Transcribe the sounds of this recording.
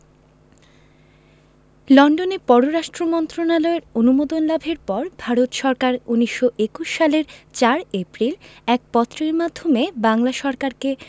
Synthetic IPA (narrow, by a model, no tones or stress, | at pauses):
lɔɳɖonepɔɾoɾaʃʈɾomɔnt̪ɾonaloeɾonumod̪onlabʱeɾpɔɾbʱaɾot̪ʃɔɾkaɾuniʃːoʔekuʃːaleɾt͡ɕaɾepɾilɛk̚pɔt̪ːɾeɾmad̪ʱːomebaŋlaʃɔɾkaɾke